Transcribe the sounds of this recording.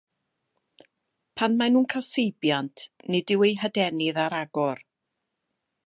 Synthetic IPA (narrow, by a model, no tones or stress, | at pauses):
pʰanmanuːnkʰasejbjantʰnɪdɪwejɦədɛnɪðaɾaɡɔr